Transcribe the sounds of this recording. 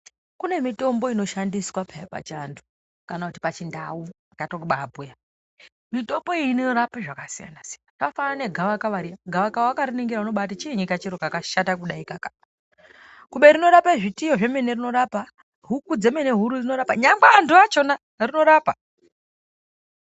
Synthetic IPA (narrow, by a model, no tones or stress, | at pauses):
kune̞mito̞mbo̞ino̞ʃandiswapʰaapa̰t͡ʃandu̥ | kanakuti̥pat͡ʃindauakatokuɓabʱuja | mito̞mbo̞iinorapiʐakasija̰nasianatafanane̞ɡʱaʋakaʋaɾijaɡʱaʋakawakaɾiniŋɡiɾauno̞ɓatat͡ʃieɲikat͡ʃiɾokakaʃatakuɗaikaka | kuɓeɾino̞ɾapaʐitijoʐe̞me̞ne̞rino̞ɾapa | ɦukud͡ze̞me̞ne̞ɦuɾud͡zino̞ɾapaɲambaːnduat͡ʃo̞na | rino̞ɾaːpa